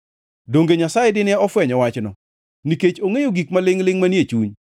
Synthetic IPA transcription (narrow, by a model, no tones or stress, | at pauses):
doŋɡeɲasajedɪnɛɔfwɛɲɔwat͡ʃnɔ | niket͡ʃoŋejoɡikmalɪŋlɪŋmanijet͡ʃuɲ